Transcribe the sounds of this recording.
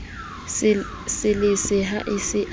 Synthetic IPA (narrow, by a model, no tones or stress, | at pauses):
sɪlɪsɪɦaʔɪsɪʔ